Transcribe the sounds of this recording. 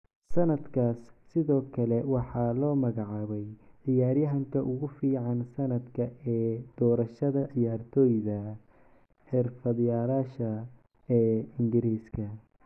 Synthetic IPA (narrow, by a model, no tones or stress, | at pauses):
sɐnɐd̪kʰaːsːɪðɔːkʰɐlɛwɑħɑːlɔːmɐɣɑʕɑːβɛjʕɪjaːɾjɐɦɐŋkʰɐʔʊɣʊfiːʕɑnsɐnɐd̪kʰɐɛːd̪̥ɔːɾɐʃɐðɐʕɪjaːrt̪ʰɔːjðɐ | ħɪrfɐðjaːɾaːʃɐ | ɛːɪŋɡɪɾiːskʰɐ